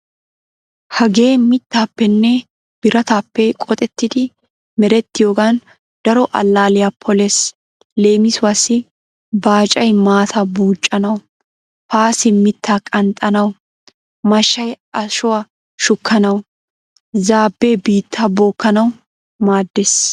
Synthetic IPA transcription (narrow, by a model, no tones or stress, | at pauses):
hɐɡe̞ːmɪt̪ːaːpːɛnːɛ | b̥ɪɾɐt̪apːɛkʼɔt̪ʼɛt̪ːɪd̪ɪ | mɛɾɛt̪ːɪjoːɡan | d̪̥ɐɾɔʔɐ̰lːaːlɪjɐpʰɔlɛs | le̞ːmɪsʊwɐsɪ | baːt͡ʃʼɐjmaːt̪ʰɐbuːt͡ʃʼːɐnɐwʊ | paːsɪmɪt̪ːaːkʼɐnt̪ʼɐnɐw | mɐʃːɐj | ɐʃʊwɐ | ʃʊkʰːɐnɐw | zaːbːe̞ːbiːt̪ʰːaːboːkːɐnɐw | maːd̪ːes